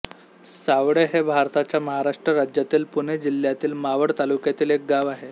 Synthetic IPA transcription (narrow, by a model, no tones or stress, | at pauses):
saʋɽeɦebʱaɾt̪at͡ɕjaməɦaɾaʂʈɾəɾad͡ʑjat̪iːlpuned͡ʑil̤jat̪iːlmaʋəɽt̪alukjat̪iːlek̚ɡaʋaɦe